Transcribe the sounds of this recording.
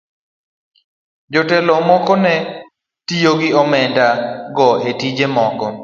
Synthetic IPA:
d͡ʒotɛlɔmɔkɔnɛ | tijoɡɪɔmɛndaɡɔʔetid͡ʒemɔkɔ

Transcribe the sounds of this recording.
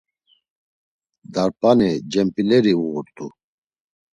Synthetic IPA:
d̪aɾpʼanid͡ʒɛmpʼilɛɾiuɣuɾt̪ʼu

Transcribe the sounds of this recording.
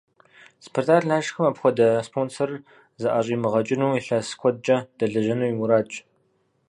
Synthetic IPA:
spʰortʰaːrnaːʒxɨmapxʷɔdɐspʰoːnsɐr | zɨʔaːɕʼiːmɨʁɐt͡ʃʼɪnuwiɬɐskʷʰɔd̚t͡ʃʼɐd̥ɐɮɐʒɐnuwiwʊɾaːt͡ʃʼ

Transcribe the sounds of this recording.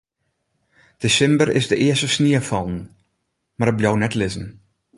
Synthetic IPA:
d̥esɪmbərɪ̰zdəʔɪəstəsniəfɑlˠn̩ | marɾət̚bljownɛtlɪzən̩

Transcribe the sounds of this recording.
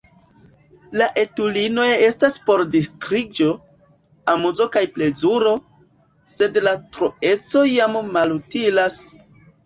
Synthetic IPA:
laʔe̞tulino̞e̞staspo̞ɾdistɾid͡ʒo̞ | amuzo̞kajple̞zuɾo̞ | se̞dlatɾoe̞t͡so̞jamːalutilas

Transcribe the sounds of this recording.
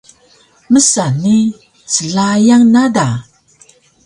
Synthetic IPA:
məsani | t͡səɮajaŋnada

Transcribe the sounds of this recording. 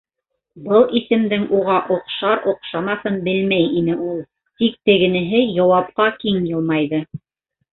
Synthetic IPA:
bɤlˠisɘ̆md̪ɘŋʔuʁɑʔŏqʃɑɾŏqʃɑmɑθɤnbɘlmæjinɘulˠ | t̪ik̚t̪ɘ̆ɡɘ̆nɘ̆ɦɘjɑwɑp̚qɑkiŋjɤ̆lˠmɑjðɤ

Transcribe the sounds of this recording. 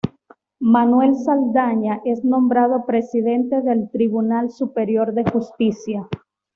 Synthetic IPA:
manwe̞lsald̪aɲaʔe̞znõ̞mbɾað̞o̞pɾe̞siðe̞nt̪e̞ðe̞lt̪ɾiβunalsupeɾjo̞ɾðe̞xust̪isja

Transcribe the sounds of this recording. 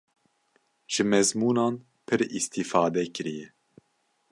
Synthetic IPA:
ʒ̥ɨmɛzmuːnɑːn | pʰɨɾist̪iːfɑːd̪ɛkɨɾijɛ

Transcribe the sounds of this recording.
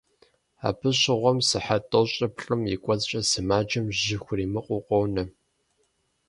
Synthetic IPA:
a̰ːpʰɨɕʼɪʁʷɔmsɨħatʼoɕʼɐpɬʼɨmikʷʼɔt͡sʼɕʼɐsɨmaːd͡ʒɐmʑɪxʷʊriːmɨqʷʼʊqʷʼɔwnɐ

